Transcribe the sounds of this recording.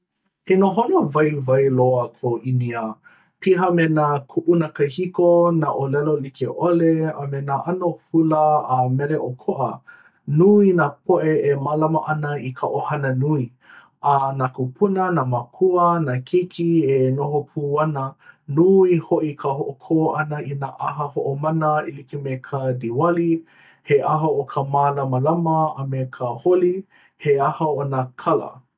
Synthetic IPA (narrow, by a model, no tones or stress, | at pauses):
enoɦonovɐjvajloəkʰoʔiniə | pʰiɦəmenakʰuʔunəkəhikonaʔolɛlolikeʔoleəmenaʔanohuləːmɛɾeʔokʰoʔə̰ | nuinapʰoʔeemalamɐʔɐnəikʰəʔohɐnənui | anakupʰunənamakʰuənakʰikʰienoɦopʰuːanənuihoʔikʰəɦoʔokʰoʔanəinaʔaɦəhoʔomanəilikimekʰədiwali | heʔaɦowokʰəmaːlɐməlaməamekʰəholi | heahawanakʰalə̰